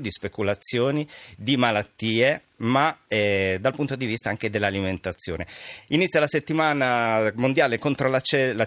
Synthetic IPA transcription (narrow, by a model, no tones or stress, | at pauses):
d̪ispekulat̪sːjoːnid̪imalat̪ːiːe | maɛd̪alpunt̪od̪ivist̪aaŋk̟ed̪elːaliment̪at̪sːjo̰ːneinit̪sjalaset̪ːimaːnamond̪jaːlekont̪ɾolat͡ʃɛla